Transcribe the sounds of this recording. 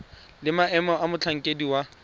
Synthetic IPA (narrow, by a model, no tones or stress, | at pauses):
lɪmaɛmɔʔamʊt͡ɬʰaŋ̩kʼediwa